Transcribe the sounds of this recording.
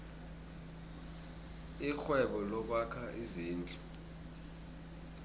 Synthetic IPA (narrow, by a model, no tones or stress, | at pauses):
ixwɛɓɔlɔɓakʰaʔiziːnt͡ɬʼu